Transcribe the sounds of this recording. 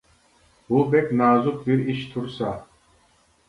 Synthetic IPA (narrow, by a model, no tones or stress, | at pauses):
bubɛkʲnaːzup̚biɾiʃt̪ʰuɾsa